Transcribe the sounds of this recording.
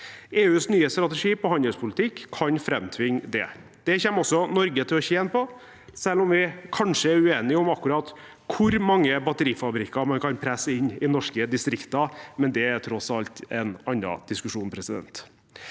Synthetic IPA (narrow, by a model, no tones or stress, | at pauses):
eːʉːsnyːəst̪ɾɑt̪ɛʂiːpɔhɑnd̪əlspʰʊlɪt̪ʰɪkʰːɑnfɾɛmt̪ʰʋɪŋːd̪ɛ̰ | d̪̥ɛçɛmːɔsːɔnɔɾɡət̪ʰɪlɔçɛɛnpɔ | sɛlːɔmʋɪkʰɑnʂəæɾʉeːnɪɔmɑkːʉɾɑːt̪ | kʰʊɾmɑŋːəbɑt̪əɾiːfɑbɾɪkːɑɾmɑnkʰɑnpʰɾɛsəɪnːɪnɔʂkəd̪ɪst̪ɾɪkt̪ɑmɛnd̪ɛæɾt̪ʰɾɔsɑlt̪ɛnɑnːɑ̰d̪̥ɪskʉʂuːnpʰɾɛsɪd̪ɛ̰nt̪